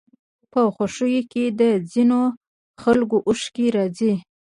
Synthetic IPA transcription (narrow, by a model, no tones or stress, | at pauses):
pəxaʂujoked̪əd͡zino | xalɡoʔuʃkiɾɑzi